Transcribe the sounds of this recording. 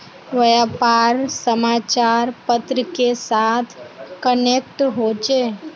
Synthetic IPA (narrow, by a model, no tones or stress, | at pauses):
ʋəjaːpaːɾsəmaːt͡ʃaːɾpət̪ɾəkesaːt̪ʰkənek̚ʈɦoːt͡ʃeː